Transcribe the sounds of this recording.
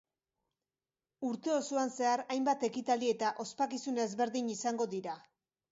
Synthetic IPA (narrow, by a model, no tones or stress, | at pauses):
uɾt̪e̞o̞suanse̞aɾajmbat̪e̞kit̪alie̞t̪aʔo̞spakisunezβe̞ɾðiɲisaŋɡo̞ðiɾa